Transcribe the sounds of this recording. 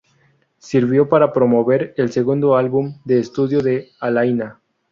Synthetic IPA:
siɾβjo̞paɾapɾo̞mo̞βe̞ɾelse̞ɣund̪o̞alβumd̪e̞ːst̪uðjo̞ðe̞alajna

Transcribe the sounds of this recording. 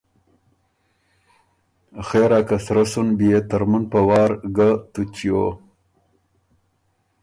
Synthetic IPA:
xeːɾaːkasɾasunbijet̪ɐɾmunpɐwɑːɾɡat̪ut͡ɕijo

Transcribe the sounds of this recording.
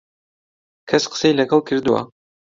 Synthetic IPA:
kʰɐsqə̥sejlɐɡɐlˠkʰɨɾd̪uwa̰

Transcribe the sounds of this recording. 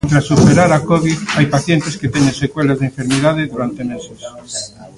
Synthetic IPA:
nt̪ɾasupeɾaɾakoβiðajpaθjent̪esket̪enẽnsekwelazðẽɱfeɾmeðað̞eðuɾant̪emeses

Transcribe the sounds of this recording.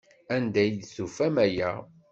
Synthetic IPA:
ænd̪æjd̪θufæmæjæ

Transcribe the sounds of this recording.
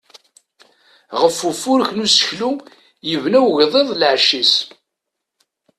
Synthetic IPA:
ʁəfːufːʊɾçnusə̥çlu | jəvnæwʝðˤeðˤlʕʃis

